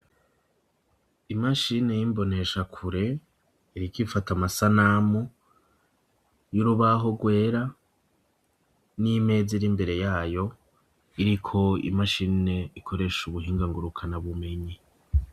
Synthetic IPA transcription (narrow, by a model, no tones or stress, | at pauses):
imaʃine̞jimbo̞ne̞ʃakʰuɾe̞ | iɾikifatamasanamu | juɾuβaɦo̞ɡwe̞ːɾa | nime̞ːziɾimbe̞ɾe̞jaːjo̞ | iɾikʰo̞ḭmaʃine̞ikʰo̞ɾe̞ʃuβuɦiːŋɡaŋɡuɾukʰanaβume̞ɲi